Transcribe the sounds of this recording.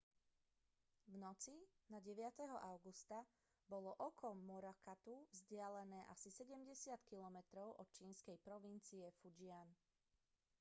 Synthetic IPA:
vnɔt͡sinaɟɛʋɪat̪ɛɦɔʔaʊɡust̪a | bɔlɔʔɔkʰɔmːɔɾakat̪uvzɟɪalɛnɛːʔasisɛɟɛmɟɛsɪat̪kilɔmɛt̪ɾɔʊʔɔ̰t̪̚t͡ʃiːnskɛjpɾɔʋint͡siɛfud͡ʒɪan

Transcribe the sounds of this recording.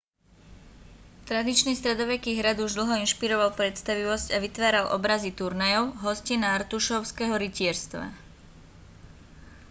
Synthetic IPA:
t̪ɾad̪it͡ʃniːst̪ɾɛd̪ɔʋɛkiːɦɾad̪uʒd̪l̩ˠɦɔinʃpiɾɔʋalpɾɛt̪st̪aʋiʋɔscaʋit̪ʋaːɾalʔɔ̰bɾazit̪uɾnajɔʊɦɔscinaaɾt̪uʃɔʊskɛɦɔɾicɪɛɾst̪ʋa̰

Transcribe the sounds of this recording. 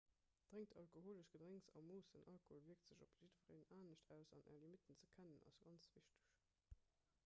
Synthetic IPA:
d̥ʁeŋtʰɑlkoɦoːləʃɡ̥ədʁæŋsɑ̰moːsənʔɑlkooːlviək̚tz̥əʑopz̥idvəʁḛnaːnəɕtʰæʊsɑ̰nʔæ̰ːɐlimitənt͡səkʰænənɑ̰sɡ̥ɑnt͡sviʃtə̥ɕ

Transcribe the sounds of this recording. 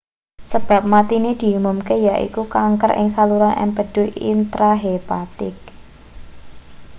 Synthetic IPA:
səb̥a̤p̚mat̪ined̪̥i̤umʊmkejaʔḭkukaŋkəɾʔɪ̰ŋsaluɾɔnʔɛ̰mpəɖ̥ʊ̤ḭnt̪ɾaɦepat̪ɪk̚

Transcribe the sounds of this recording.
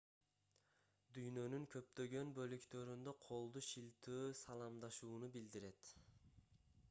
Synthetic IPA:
d̪yjnø̞nyŋkʰø̞p̚t̪ø̞ɡø̞nbø̞lykt̪ø̞ɾynd̪øqʰo̞lˠd̪uʃilt̪yːsɑlˠɑmd̪ɑʃuːnubild̪iɾe̞t̪

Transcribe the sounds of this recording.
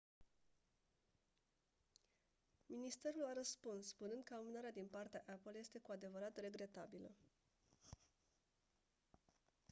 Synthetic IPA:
minist̪e̞ɾulaɾəspunsspunɨnd̪̚kəamunaɾead̪inpart̪eaʔapəlje̞st̪e̞kuad̪e̞vəɾat̪re̞ɡɾe̞t̪abilə

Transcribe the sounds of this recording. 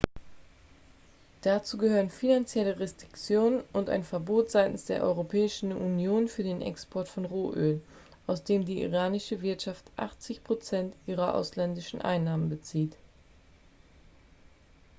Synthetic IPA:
d̥at͡suːɡəhøːʁənfinant͡sjɛləʁɛstʁ̥ɪkt͡sjoːnənʊnta̰ɪnfɛɐboːtz̥aɪtn̩sd̥eːɐʔɔ̰ʏʁopʰɛːɪʃn̩unjoːnfyːɐdeːnʔɛ̰kspʰɔɐtfɔnʁoːʔøːl | ʔaʊsd̥eːmdiːʔḭʁaːnɪʃəvɪɐtʃaftʔa̰χt͡sɪçpʁ̥ot͡sɛntʔiːʁɐʔa̰ʊslɛndɪʃn̩ʔa̰ɪnːaːmənbət͡siːt

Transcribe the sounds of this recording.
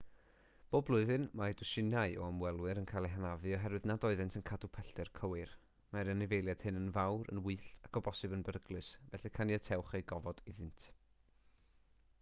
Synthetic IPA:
b̥oːblˠʊɨðɨnmaɛdʊʃɪnaɨʔɔəmwɛlˠwɨɾənkʰajlˠeɦanavɨɔɦɛɾwɨðnadɔɨðɨntʰənkʰadupʰɛɬɛrkʰəwɨr | maɾənɪvejlˠjad̥hɨnənvawɾə̰nwɨːɬtakʰɔbɔsɨbənbəɾəɡlˠɨsvɛɬikʰanjatʰɛwχeɡɔvɔd̥ɪðɨntʰ

